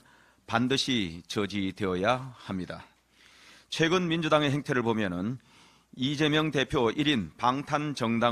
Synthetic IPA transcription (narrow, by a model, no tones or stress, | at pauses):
pandɯɕʰit͡ɕʌd͡ʑidwe̞ʌjahamɲida̰ | t͡ɕʰwe̞ɡɯnmind͡ʑudaŋe̞ɦe̞ŋtʰe̞ɾɯɭpomjʌnɯn | id͡ʑe̞mjʌŋte̞pʰjoiɾinpaŋtʰant͡ɕʌŋda